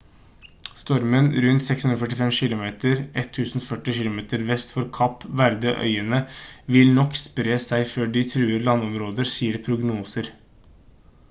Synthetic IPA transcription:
st̪ɔɾmənɾʉnt̪sɛkshʉnɾɔfœʈ̬ɪfɛmʃɪlʊmeːt̪əɾʔɛt̪ʰːʉːsn̩fœʈːɪʃɪlʊmeːt̪əɾʋɛst̪fɔɾkʰɑpːʋæɾd̪əʔœ̰ʏənəʋɪlnɔkspɾeːsæɪføːɖɪt̪ʰɾʉːəɾlɑnːɔmɾoːd̪əɾsiːəɾpʰɾʊɡnuːsəɾ

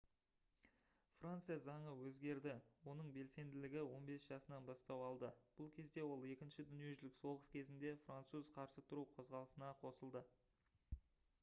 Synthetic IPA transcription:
frant̪sɨjazɑɴəwɵzɡʲe̞ɾd̪ɪwo̞nəɴbe̞lse̞nd̪ɪlɪɡʲɪwo̞nbe̞sʒ̥ɑsənɑnbɑst̪ɑwɑlˠd̪əb̥ʊlˠkʲʰe̞zd̪e̞wo̞lˠe̞kʲɪnʃɪd̪ʏnije̞ʒɪlɪkso̞ʁəskʲʰe̞zɪnd̪e̞frant̪suzqʰɑɾsət̪ʰʊɾuqʰo̞zʁɑlˠəsənɑqʰo̞səlˠd̪ə

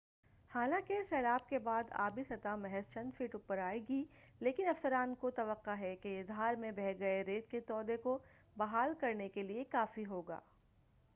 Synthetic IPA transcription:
haːlãːkesɛːlaːb̚kebaːd̪a̰ːbisɐt̪amɛɦɛzt͡ʃɐ̃nd̪fiːʈʊpəɾaːeɡileːkɪnɐfsəɾaːnkot̪ɐʋəqːaɦɛkeɪd̪ʱɦaːɾmẽbɛɦɡɐeɾeːt̪̚ket̪ɔːd̪eko | bɐɦaːlkɐɾnekeliekaːfiɦoːɡa̰ː

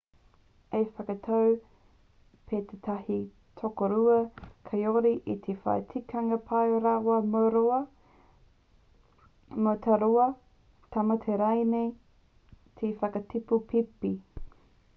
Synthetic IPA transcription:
efɐkɐt̪ʰɐw | pʰet̪ʰet̪ʰɐhi | t̪ʰokoɾuɐkʰɐjoɾiʔit̪ʰefɐ̰jtʰikʰɐŋɐpʰɐjɾawɐmoɾoɐ | mot̪ʰɐɾoɐ | t̪ʰɐmɐt̪ʰeɾɐjnej | t̪ʰefɐkɐtʰipupʰipi

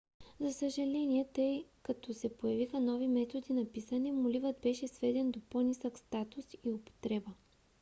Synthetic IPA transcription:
zɐsəʒɐlɛniɛt̪ɤjkɐt̪ɔsɛpojɐvixənɔvimɛt̪od̪inɐpisənimʊlivəd̪bɛʃɛsvɛd̪ɛnd̪oponisəkst̪at̪ʊsiʊpo̥t̪ɾɛbə

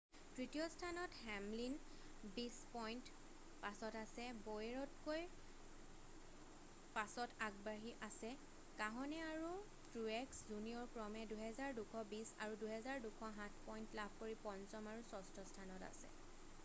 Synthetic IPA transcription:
tɹitijɔstʰanɔthɛmlin | bispɔjnt | pasɔtasɛbojeɹɔtkoj | pasɔtʰaɡbaɦiʔasɛ | kaɦɔnɛaɹu | tɹuɛkszuniɔɹkɹɔmɛduɦɛzaɹdukʰɔbisa̰ɹuduɦɛzaɹdukʰɔɦãtʰpɔjntlab̚ʱkoɹipɔnsɔmaɹusɔstʰɔstʰanɔta̰sɛ̰

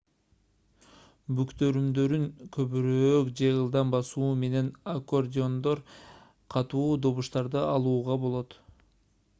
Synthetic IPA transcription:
bykt̪ø̞ɾymd̪ø̞ɾyŋkʰø̞βyɾøːkd͡ʒe̞ɯlˠd̪ɑmbɑsuːme̞ne̞nako̞rdʲɪo̞nd̪o̞ɾ | qʰɑt̪uːd̪o̞βuʃt̪ɑɾd̪ɯɑlˠuːʁɑbo̞lˠo̞t̪

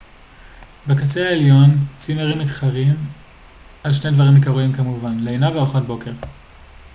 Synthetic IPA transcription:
bekat͡seaeljo̞nt͡simeʁimitχaʁim | alʃnejdvaʁimekaʁuimkamuvanleenaveoχo̞t̚bo̞ke̞ʁ

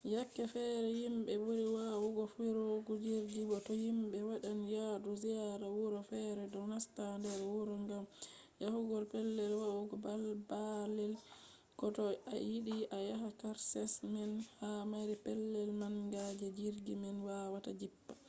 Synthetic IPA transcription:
jakːɛfɛɾɛjimbɛbuɾiwawuɡɔfiɾoɡud͡ʒiɾɡibɔtɔhimɓɛwaɗanjaduziaɾawuɾɔfɛɾɛdɔnastandɛɾwuɾɔŋɡam | jahuɡɔlpɛlːɛlwawuɡɔbalbalɛl | kɔtɔa̰jiɗiʔajaɦakaɾsɛsmɛnhamaɾipɛlːɛlmaŋɡad͡ʒɛd͡ʒiɾɡimɛnwawatad͡ʒipːḁ

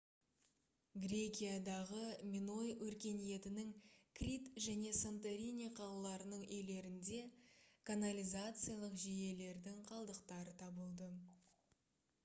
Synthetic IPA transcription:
ɡrʲe̞kʲijad̪ɑʁəmʲino̞jwɵɾkʲe̞nije̞t̪ɪnɪŋkrʲit̪ʒæne̞sont̪eɾʲinʲiqʰɑlˠlˠɑɾənəɴɵjle̞ɾɪnd̪e̞kʰanalʲizat̪sɨjalˠəqʒeje̞le̞ɾd̪ɪŋqʰɑlˠd̪əqt̪ɑɾət̪ʰɑbəlˠd̪ə

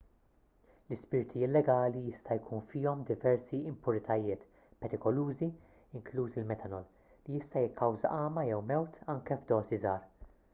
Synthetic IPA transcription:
lɪspɪɾt̪ʰiɪlːɛɡɐːlijɪst̪ɐjkʰuːnfɪːɔmd̪ɪvɛɾsiɪmpʊɾɪt̪ʰɐjɪːt̪ | pɛɾɪkɔluːzi | ɪŋkluːsɪlmɛt̪ʰɐnɔl | lijɪst̪ɐjɪkʰːɐwzɐ̰ʔɐːmɐjɛwmɛwt̪ɐŋkɛvd̪ɔːsizɐːɾ

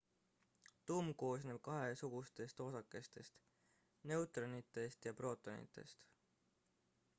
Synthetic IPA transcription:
t̪umko̞ːs̬ne̞b̥̚kɑɦe̞suɡ̥ust̪e̞st̪o̞sɑkːˑe̞st̪e̞st̪ | ne̞wt̪ˑronit̪ːˑe̞st̪jɑpro̞ːt̪ˑːonḭt̪ːˑe̞̰st̪

